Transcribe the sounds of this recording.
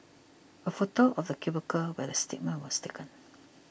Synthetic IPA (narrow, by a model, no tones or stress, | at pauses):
əfotoʔɔfdəkibəkəwɛdəstḭk̚mə̃nwɔstekə̃n